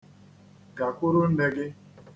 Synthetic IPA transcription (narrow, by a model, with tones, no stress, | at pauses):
ɡa˨kʷʊ˦ɾʊ˦n̩˦ne˨ɡɪ˦